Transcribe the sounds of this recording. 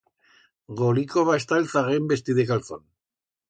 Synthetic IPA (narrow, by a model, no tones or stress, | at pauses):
ɣolikoβaest̪aelθaɣembe̞st̪iðekalθo̰n